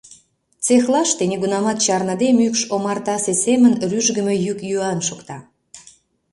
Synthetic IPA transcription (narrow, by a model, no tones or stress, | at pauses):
t͡sexlˠɑʃt̪eniɡunɑmɑt̪t͡ɕɑrnɑd̪emykʃomɑrt̪ɑsesemənryʒɡə̆mejykjyɑnʃokt̪ɑ